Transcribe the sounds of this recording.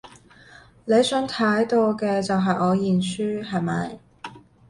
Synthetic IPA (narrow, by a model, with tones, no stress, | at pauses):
ne˨˧jsœː˨˥ŋt̪ʰɐ˨˥jt̪o˧wkɛː˧t͡sɐ˨wɦɐ˨jɔː˨˧jiː˨˩nsyː˥ɦɐ˨˩jmɐ̰˨j